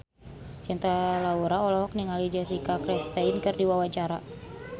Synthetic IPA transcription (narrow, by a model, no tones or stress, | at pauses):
d͡ʒɛnt̪alauɾaɔlɔɦɔk̚niŋalid͡ʒasikakɾɛst̪ainkɨrdiwawat͡ʃaɾa